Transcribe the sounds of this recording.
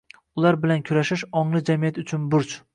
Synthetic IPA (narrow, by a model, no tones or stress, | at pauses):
ʊlˠaɾbɪlankʲʰʊɾaʃɪʃɒŋlˠɪd͡ʒamijat̪ʊt͡ʃʰʊnbʊɾt͡ʃ